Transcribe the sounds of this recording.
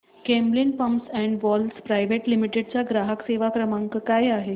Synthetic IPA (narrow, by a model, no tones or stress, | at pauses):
kẽmblinpəmsɛ̃ɳɖʋɔlspɾajʋeʈlimiʈeɖ̚t͡ɕaɡɾaɦəkseʋakɾəmãŋkəkajaɦe